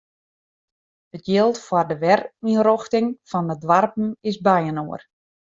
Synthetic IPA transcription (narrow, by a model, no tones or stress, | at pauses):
ətjɪlˠtfwɔrdəʋɛriroxtɪŋfɔndədʋarpn̩ɪsbɛjənoər